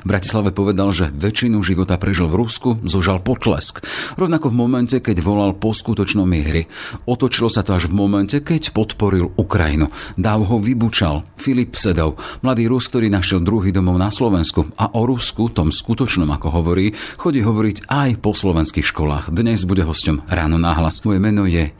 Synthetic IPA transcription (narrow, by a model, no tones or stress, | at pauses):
vbɾaci̥slaʋɛpɔʋɛd̪alʒɛʋɛt͡ʃinuʒiʋɔt̪apɾɛʒilvɾuskuzɔʒalpɔt̪lɛ̰skɾɔʊnakɔvmɔmɛncɛkɛɟʋɔlalpɔskut̪ɔt͡ʃnɔmɪɛɾiɔt̪ɔt͡ʃilɔsat̪ɔaʒvmɔmɛncɛkɛcpɔt̪pɔɾilukɾa̰jḭnud̪aʊɦɔʋibut͡ʃalfilipsɛd̪ɔʊmlad̪iːɾusk̚t̪ɔɾiːnaʃɪɛld̪ɾuɦiːd̪ɔmɔʊnaslɔʋɛnskuaʔɔɾuskut̪ɔmskut̪ɔt͡ʃnɔma̰kɔɦɔʋɔɾiːxɔɟiːɦɔʋɔɾiɟajpɔslɔʋɛnskixʃkɔla̰ːxd̪ɲɛzbuɟɛɦɔscɔmɾaːnɔnaɦlasmɔjɛmɛnɔjɛ